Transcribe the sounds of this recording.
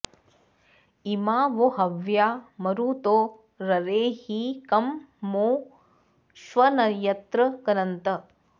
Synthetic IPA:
imaːʋoɦɐʋjaːmɐɾuːt̪oː | ɾɐɾeːhikɐmː | oː | ʃʋɐnɐɾjɐt̪ɾɐkɐnɐnt̪ɐ

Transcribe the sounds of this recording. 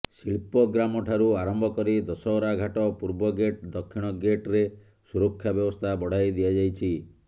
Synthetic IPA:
siɭpɔɡɾamɔʈʰaɾuaɾɔmbʱɔkɔɾid̪ɔsɔwɾaɡʱaʈɔpuɾbɔɡeʈd̪ɔkʰːiɽ̃ɔɡeʈɾe | suɾɔkʰːjabjɔbɔst̪ʰabɔɽ̤ajd̪ijad͡ʒajt͡ʃʰi

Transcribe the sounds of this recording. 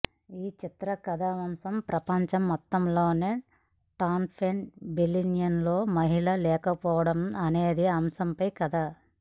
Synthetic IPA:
iːt͡ʃit̪ɾɐkɐd̪ɐʋɐmsɐmpɾʔɐpɐɲt͡ʃɐmːɔt̪ːɐmlo̞ːneː | ʈaːnpʰeɳbilinjɐnloːmɐɦiɭɐlɛːkɐpɔːʋɐɽɐmɐne̞ːd̪iɐmsɐmpɐjkɐd̪a

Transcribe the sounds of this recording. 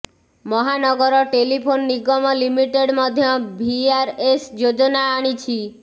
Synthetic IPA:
mɔɦanɔɡɔɾɔʈelipʰonːiɡɔmɔlimiʈeɽmɔd̪ʱjɔbʱiaɾesd͡ʒod͡ʒɔnaːɽ̃it͡ʃʰi

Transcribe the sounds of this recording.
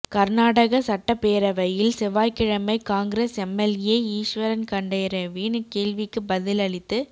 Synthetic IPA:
kɐɾnaːɽɐɣɐsɐʈːɐpeːɾɐʋɐjɪlsɪʋaːjkɪɻɐmɐɪkaːŋɡɪɾesɛmːɛljeːiːʂʋɐɾɐnkɐɳɖɐjɾɐʋiːɳɯkeːlʋɪkːɯbɐðɪlɐɭɪt̪ːɯ

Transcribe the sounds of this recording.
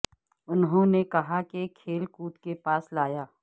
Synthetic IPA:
ʊnɦõnekɐɦakekʰeːlkuːt̪kepaːslaːjaː

